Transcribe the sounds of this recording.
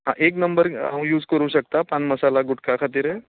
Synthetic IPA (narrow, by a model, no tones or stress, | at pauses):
ɦã̰ʔek̬nəmbəɾã̰juːd͡zkəɾuːɕək̚t̪apãnməsalaɡuʈkakʰat̪̬iːɾɦe